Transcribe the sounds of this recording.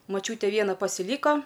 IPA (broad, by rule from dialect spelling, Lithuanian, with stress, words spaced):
moːˈt͡ʃʲuːtʲeː ˈʋʲiɛnɐ pɐsʲɪˈlʲiːkoː